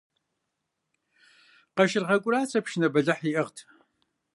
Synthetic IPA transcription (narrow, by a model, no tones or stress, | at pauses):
qɐʃɪrʁɐkʷʼʊraːt͡sʰʼɐpʃnɐbɐɮɐħiːʔɐʁtʰ